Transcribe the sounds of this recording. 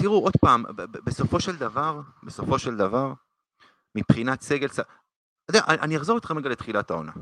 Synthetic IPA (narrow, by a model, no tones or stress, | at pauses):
t̪iʁuʔo̞d̪paːmbeso̞fo̞ʃeld̪avaʁbeso̞fo̞ʃe̞ld̪avaʁ | mipχinat̪se̞ɡe̞lsa | od̪ajaʔaʔaniaχzo̞ʁit̪χemʁeɡalet̪χilat̪ao̞̰na̰